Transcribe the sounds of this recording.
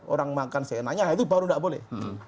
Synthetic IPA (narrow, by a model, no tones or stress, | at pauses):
o̰ɾaŋmakansenaɲaɦait̪ubaɾundaʔbolɛ̰h